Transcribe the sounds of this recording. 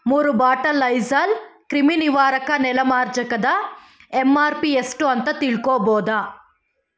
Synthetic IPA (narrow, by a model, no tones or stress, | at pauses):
muːɾubaːʈɐlɐjzɐlkɾiminiʋaːɾɐkɐnɛlɐmaːɾd͡ʒɐkɐd̪ɐ | emaːɾpiesʈuɐnt̪ɐt̪iɭkoːbɔːd̪ɐ